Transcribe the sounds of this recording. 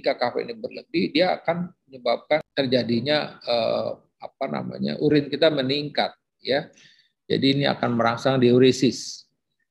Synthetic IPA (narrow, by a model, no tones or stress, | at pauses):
ikakafɛ̰ʔḭnibərləbihdia̰ːkanməɲəbap̚kant̪ərd͡ʒadiɲaəː | apana̰ma̰ɲa̰ʔuɾɪnkit̪aməniŋkat̪̚ | ja | d͡ʒa̰diːnia̰kanməɾaŋsaŋdioɾisɪs